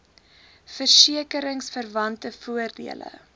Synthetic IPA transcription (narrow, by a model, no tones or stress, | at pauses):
fərsiəkəɾəŋsfərvɐntəfuərdḭələ̰